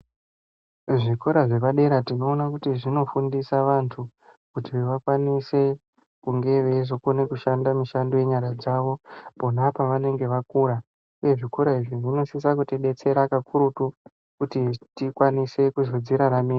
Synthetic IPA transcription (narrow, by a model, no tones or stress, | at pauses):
ʐikoɾaʐe̞paɗe̞ɾatino̞ːnakutiʐino̞fundisaʋantʰu | kutiʋeʋakwanise̞ | kuŋɡe̞ʋe̞ʐokone̞kuʃandamiʃandoje̞ɲaɾad͡zaːʋo̞po̞napaʋane̞ŋɡe̞ʋakuːɾa | uje̞ʐikoɾaiʐiʐino̞sisakutiɗe̞t͡se̞ɾakakʰuɾutu | kutitikwanise̞kuzod͡ziɾaɾamiːra